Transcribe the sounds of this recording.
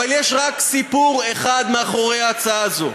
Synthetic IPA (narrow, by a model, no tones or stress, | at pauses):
aljeʃʁaksipuʁeχad̪meaχo̞ʁejaat͡saazo